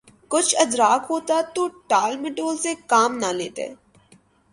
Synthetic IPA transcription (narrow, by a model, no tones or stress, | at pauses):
kʊt͡ʃʰɐd͡ʒɾaːkɦoːt̪at̪oʈaːlmɪʈoːlsekaːmnaleːt̪ḛ